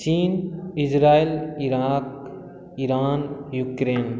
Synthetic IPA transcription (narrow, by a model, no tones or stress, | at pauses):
t͡ʃiːnid͡ʒɾaːiliɾaːk | iɾaːnjukɾeːn